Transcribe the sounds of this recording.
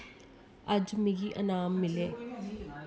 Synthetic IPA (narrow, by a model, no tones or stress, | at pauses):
ɐd͡ʒmẽɡiʔə̰naːmːɪleː